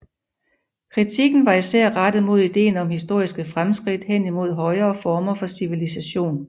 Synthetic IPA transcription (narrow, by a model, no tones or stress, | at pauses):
kʰʁit͡sʰiɡ̥n̩ʋɑ̈isæɐ̰ʁad̥əð̩ˠmo̝ð̞̰ˠid̥e̝̰ːnɒ̽mhisd̥o̝ɐ̰isɡ̥əfʁamsɡ̥ʁid̥hen̰imo̝ð̞̰ˠɦɒ̽ɪɐːfɒːmɐfɒ̽siʋilisæɕo̝̰ːn